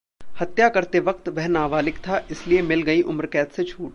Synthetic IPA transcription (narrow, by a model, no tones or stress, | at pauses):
hɐt̪jakɐɾt̪eʋɐk̚t̪ʋɛɦnaːʋaːlɪkt̪ʰaʔɪsliemɪlɡɐiʔʊmɾkɛːt̪set͡ʃʰuːʈ